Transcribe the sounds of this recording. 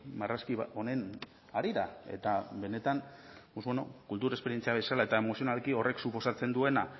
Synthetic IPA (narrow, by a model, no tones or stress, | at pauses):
maraskiβo̞ne̞n | aɾiɾae̞̰t̪abe̞ne̞t̪anpozβeno̞̰kult̪uɾaespe̞ɾije̞nt͡siaβe̞salae̞t̪ae̞mo̞sio̞nalkio̞rʔe̞ksupo̞sat͡se̞nd̪ue̞na